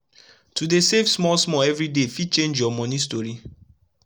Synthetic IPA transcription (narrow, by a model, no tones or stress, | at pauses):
tudesefsmɔlsmɔɛvɹidefit͡ʃẽnd͡ʒjɔmɔ̃nistɔɹi